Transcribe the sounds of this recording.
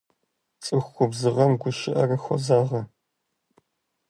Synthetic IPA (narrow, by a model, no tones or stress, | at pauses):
t͡sʼɨxːʷʊbzɨʁɐmɡʷʊʃɪʔɐrɐxʷɔ̰zaːʁɐ